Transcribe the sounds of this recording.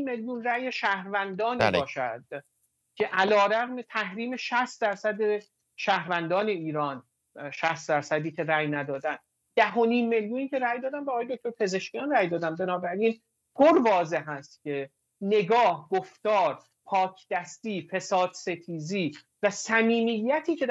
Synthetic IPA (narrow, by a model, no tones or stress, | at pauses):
mːeljuːnræːjeʃæhɾvænd̪ɒːniːbɒːʃæd̪̥̚ | cʰe̞ʔælɒːɾæɣmet̪ʰæhɾiːme̞ʃæst̪̚d̪æɾsæd̪e | ʃæːhɾvænd̪ɒːne̞iːɾɒːn | ʃæst̪̚d̪æɾsæd̪iːcʰe̞ɾæjnæd̪ɒːd̪ænd̪ | d̪̥æɦo̞niːmːe̞ljuːniːcʰe̞ɾæjd̪ɒːd̪æmbeːɣːjed̪ok̚t̪oɾpʰe̞ze̞ʃcijɒːnræjd̪ɒːd̪æmbenɒːbæɾiːn | ɡ̥oɾvɒːze̞ɦæst̪cʰe̞ | ne̞ɡɒːhɡoft̪ɒːɾ | pʰɒːcʰd̪̥æst̪iːfe̞sɒːd̪̥se̞t̪ʰiːziː | væsæmiːmijːæt̪ʰiːcʰe̞